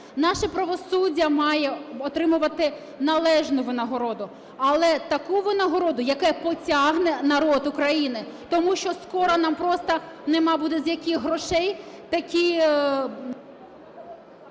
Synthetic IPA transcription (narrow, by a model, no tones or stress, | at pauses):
nɑʃɛpɾɐʋɔsudʲːɐmɑjɛɔt̪ɾɪmʊʋɐt̪ɪ | nɐlˠɛʒnʊʋɪnɐɦɔɾɔd̪ʊ | ɐlˠɛt̪ɐkuʋɪnɐɦɔɾɔd̪ʊjɐkɛpɔt͡sʲɑɦnɛnɐɾɔd̪ʊkɾɐjinɪt̪ɔmuʃt͡ʃɔskɔɾɐnɑmpɾɔst̪ɐnɛmɑbud̪ɛzjɐkʲixɦɾɔʃɛjt̪ɐkʲi